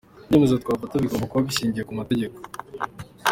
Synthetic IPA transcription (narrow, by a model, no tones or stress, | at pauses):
nemezeot̪kwaːvatoβiɡoːmbakuβaβiɕiːɲɟijekumate̞ɟe̞ko